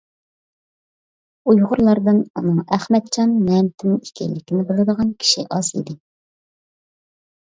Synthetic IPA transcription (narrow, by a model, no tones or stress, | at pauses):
ujʁʊɾlˠɑɾd̪ɨnunɨŋæχmɛt̪̚t͡ʃʰɑnːɛmt̪ʰɪnɪikʲʰɛ̰lːɪkʲinɪbolˠɨd̪əʁɑnkʲʰi̥ʃiʔɑzḭd̪ɪ